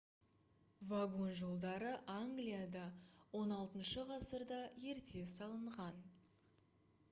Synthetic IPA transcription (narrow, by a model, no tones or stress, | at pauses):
vaɡo̞nʒo̞lˠd̪ɑɾəʔaŋɡlijad̪ɑwo̞nɑlˠt̪ənʃəʁɑsəɾd̪ɑje̞ɾt̪e̞sɑlˠəɴʁɑn